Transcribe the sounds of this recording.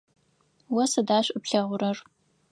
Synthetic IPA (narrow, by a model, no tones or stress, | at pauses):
wɐsɐdaːʃʷʼɐpɬɐʁʷʊɾɐr